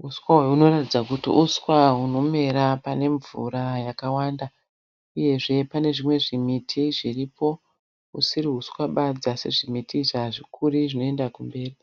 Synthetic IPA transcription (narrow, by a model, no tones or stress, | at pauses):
uskwawauno̞ratid͡zakutḭʔuskwaɦuno̞me̞ɾapane̞ɱvṵɾajakawaːnda | uje̞ʐe̞pane̞ʐimwe̞ʐimitʰiʐiripo̞ | usiriɦuswaɓad͡zase̞ʐimitʰiʐaʐikʰuriʐino̞e̞ndakumbe̞ːri